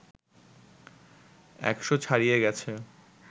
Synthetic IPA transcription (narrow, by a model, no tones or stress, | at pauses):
ɛ̰kʃot͡ɕʰaɾijeɡɛt͡ɕʰe